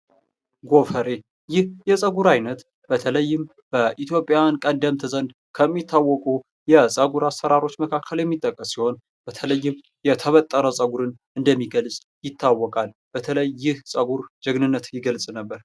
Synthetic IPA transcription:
ɡo̞fəɾe̞ | jɪhjɛsʼəɡuɾajnət̪ | b̥ət̪ʰələjːɪm | b̥əʔit̪ʰjo̞pʼjankʼənd̪əmt̪ʰəzənd̪ | kʰəmːit̪ʰːawːɔkʼu | jɛsʼəɡuɾasəɾaɾo̞t͡ʃːməkʰakʰːəljɛmːit̪ʼːəkʼːəsːiho̞n | b̥ət̪ʰələjːɪm | jɛt̪ʰəβət̪ʼːəɾəsʼəɡuɾɨn | ɨnd̪əmːiɡəlsʼ | jɪt̪ʰːawːɔkʼal | b̥ət̪ʰələjːɪhsʼəɡuɾd͡ʒəɡnɨnːət̪jɪɡəlsʼnəbːəɾ

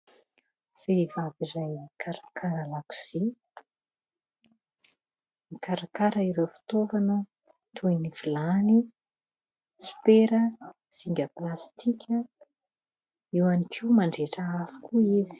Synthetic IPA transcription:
feivavirajkʰaɾakaɾalaku̥z̥i | nikaɾakaɾəiɾewfi̥t̪ovanə | t̪ʰuinivilani | su̥peɾə | siŋɡʲəplast̪ʰikʲʰə | iwanikʰʲiwmaɳɖ͡ʐeʈ͡ʂəafu̥kʲuizi̥

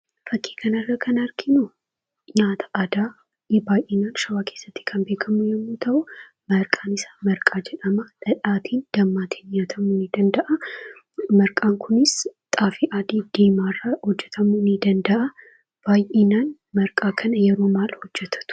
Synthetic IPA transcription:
fɐkʼːi̥ːkʰɐnɐrːɐkʰɐnɐɾkɪnu | ɲaːt̪ʰɐ̥ʔad̪aː | baːjʔeːnaːnʃɐwaːkʰe̞ːsːɐt̪ːɪ̥kʰɐnbeːkʰɐmujɛmːuːt̪ʰɐʔʊ | mɐɾkʼaːnɪsḁmɐɾkʼaːd͡ʒɛᶑɐmɐᶑɐᶑaːt̪ʰiːnd̪̥ɐmːaːt̪ʰi̥ːnɲaːt̪ʰɐmunɪd̪ɐnd̪ɐʔɐ | mɐɾkʼaːŋkʰʊnɪst̪ʼaːfiʔaːd̪id̪̥eːmaːrːɐhɔd͡ʒːɛt̪ʰɐmunɪd̪ɐnd̪ɐʔɐ | b̥aːjʔeːnaːn | mɐɾkʼaːkʰɐnɐjɛɾuːmaːlhɔd͡ʒːɛt̪ʰɐ̥t̪ʊ̥

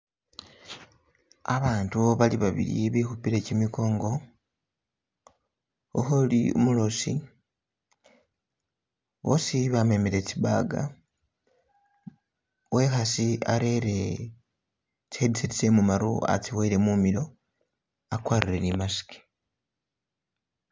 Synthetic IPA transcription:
aβaːntuβaliβaβḭɾḭβixupiɾecimiko̞ːŋɡo̞ | o̰xolio̰mulo̞si | βo̞siβame̞meɾe̞t͡siba̰ɡa̰ | we̞xasia̰ɾe̞ɾe | t͡sedisitisemumaɾṵa̰t͡siweɾe̞mumilo̞ | akwaːrire̞nimasi̥ke̥

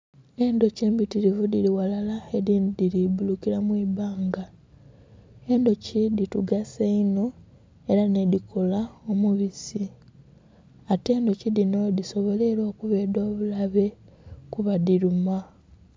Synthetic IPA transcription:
e̞ndo̞ce̞ːmbitiɾivudiliwalalaediːndiɾibulukiɾamwiːbaːŋɡa | e̞ndo̞cidituɡaseino | e̞ɾane̞dikʰo̞laomuβisi | ate̞ːndo̞cidino̞diso̞βo̞le̞ɾo̞ːkuβe̞ːdo̞ːβulaβe̞kuβaðiɾuma

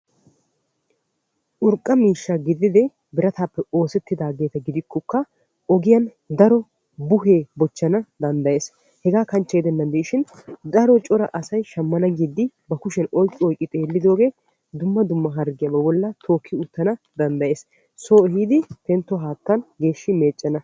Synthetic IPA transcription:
ʔʊɾkʼːɐmiːʃːɐɡɪd̪ɪd̪ɛ | bɪɾɐt̪aːpːɛo̞ːsɛt̪ːɪd̪aːɡe̞ːt̪ɐɡɪd̪ɪkʰːɔkːɐ | ʔɔɡɪjɐn | d̪ɐɾɔ | bʊɦeːbɔt͡ʃːɐnɐd̪ɐnd̪ɐje̞ːs | hɛɡaːkɐnt͡ʃːɛɛd̪ɛnːɐnd̪iːʃɪnd̪ɐɾɔt͡ʃʼɔɾɐ̰ʔɐsɐjʃɐmːɐnɐɡid̪ːɪ | bɐkʊʃɛnɔjkʼːɪɔjkʼːɪt̪ʼeːlːɪd̪o̞ːɡe̞ː | d̪ʊmːɐd̪ʊmːɐɦɐɾɡɪjɐbɐbɔlːɐt̪ʰo̞ːkʰːɪʊt̪ːɐnɐ | d̪ɐnd̪ɐje̞ːs | soːɛhiːd̪ɪp̪ɛnt̪ːɔɦaːt̪ːɐnɡe̞ːʃːɪme̞ːt͡ʃʼːɐnɐ

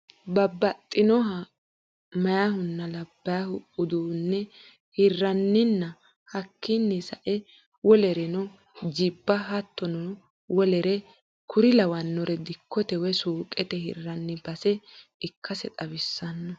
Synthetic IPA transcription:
bɐbːɐt̪ʼːɪnɔɦɐ | mɐjahʊnːɐlɐbːɐjahʊʊd̪uːnːɛ | hɪrːɐnːɪnːɐ | hɐkːɪnːɪsɐʔɛ | wɔlɛɾɛnɔ | d͡ʒɪbːɐɦɐt̪ːɔnɔ | wɔlɛɾɛ | kʰʊɾɪlɐwɐnːɔɾɛd̪ɪkʰːɔt̪ɛwɛsuːkʼɛt̪ɛhɪ̰rːɐnːɪb̥ɐsɛɪkʰːɐsɛt̪ʼɐbɪsːɐnːɔ

